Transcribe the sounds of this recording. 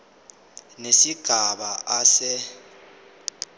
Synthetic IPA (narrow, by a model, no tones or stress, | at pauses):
nesiɡ̥ʱaɓaasɛ